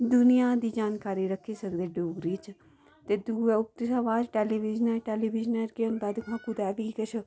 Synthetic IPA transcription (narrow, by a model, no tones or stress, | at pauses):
d̪ʊnɪjãːd̪iːd͡ʒaːnkaːɾiːɾəkʰːiːsəkd̪eːɖoːɡɾiːt͡ʃ | t̪eːd̪uʊp̚t̪ɪsaːʋaːd͡ʒʈeːliːʋɪd͡ʒnəɾʈeːliːbɪd͡ʒnəɾkeənd̪aːd̪ɪkʰãːkud̪ɛːʋiːkət͡ʃʰ